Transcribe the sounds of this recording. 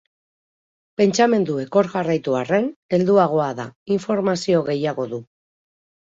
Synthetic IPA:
pe̞nt͡ʃame̞nd̪ue̞ko̞ɾɣarajt̪uare̞ne̞ld̪uaɣ̞o̞aða̰iɱfo̞ɾmasio̞ɣe̞jaɣ̞o̞ðu

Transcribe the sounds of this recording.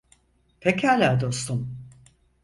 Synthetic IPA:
p̪ʰecʰʲalʲæɾd̪o̞st̪ʰum

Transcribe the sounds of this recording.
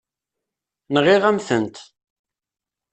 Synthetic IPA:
nʁɪʁæmθənt̪

